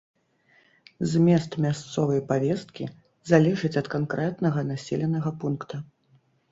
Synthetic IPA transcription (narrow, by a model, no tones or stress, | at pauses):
zʲmʲɛst̪mʲast̪sɔvɐjpavʲɛst̪̚kʲḭ | zalʲɛʐɨt͡sʲɐt̪kankɾɛt̪nɐɣɐnasʲɛlʲɛnɐɣɐpunkt̪ɐ